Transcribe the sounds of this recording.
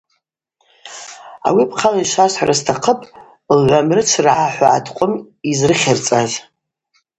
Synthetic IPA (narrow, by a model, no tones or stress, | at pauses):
a̰wipʰqʰaliʃasħarʔastʰaqʰəpʼ | lʕʷamrɨt͡sʰrʕaħʷaʕa̰tʰqʷʼʊm | izrɨχʲɪrt͡sʼaz